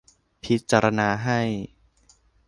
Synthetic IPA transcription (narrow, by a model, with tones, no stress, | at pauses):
pʰi˦˥t̪̚t͡ɕaː˧ɾa˧naː˧ɦa˥˩j